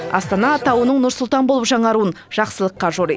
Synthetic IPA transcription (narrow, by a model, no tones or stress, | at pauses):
ɑ̰st̪ɑnɑːt̪ɑwənəɴnʊɾsʊlˠt̪ɑnbolˠəpʒɑɴɑɾuən | ʒ̥ɑqsəlˠəqːɑʒoɾḛj